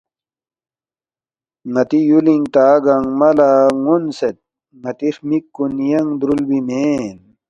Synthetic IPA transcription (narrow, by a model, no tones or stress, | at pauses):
ŋɐt̪ijuliŋt̪aːɡɐŋmɐlaŋunset̪̚ | ŋɐt̪ixmikːunjɐŋd̪ɾulbimeːn